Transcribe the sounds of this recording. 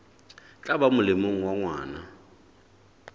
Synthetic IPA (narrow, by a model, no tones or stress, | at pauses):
t͡ɬʼabamʊlɪmoŋ̩waŋwaːna